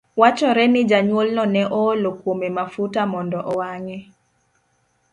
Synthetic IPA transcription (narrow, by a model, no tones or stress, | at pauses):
wat͡ʃɔɾɛnɪd͡ʒaɲwolnɔnɛʔɔlokwomemafutamɔndɔʔɔwaŋɛ